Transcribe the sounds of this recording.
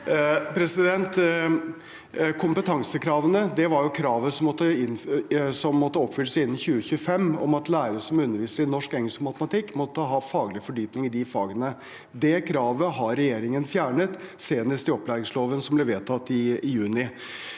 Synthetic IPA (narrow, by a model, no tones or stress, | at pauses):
pʰɾɛsɪd̪ɛnt̪ | kʰʊmpət̪ʰɑŋsəkʰɾɑːʋənəd̪ɛʋɑɾjʊkʰɾɑːʋəsɔmɔt̪ːəɪnsɔmːɔt̪ːəɔpːfʏləsɪnːnçʉːəçʉːəfɛmːɔ̰mɑt̪læːɾəɾəsɔmʉnːəɾʋiːsəɾɪnɔʂkɛŋhəlskəmɑt̪əmɑt̪ʰɪkːmɔt̪ːəɦɑfɑːɡlɪfɔɖyːpnɪŋɪd̪ɪfɑːɡənə | d̪ɛkʰɾɑːʋəɦɑɾɛjeːɾɪŋənfjæːɳət̪seːnəst̪ɪɔplæːɾɪŋsloːʋənsɔmblɛʋeːt̪ʰɑt̪ːɪjʉːnɪ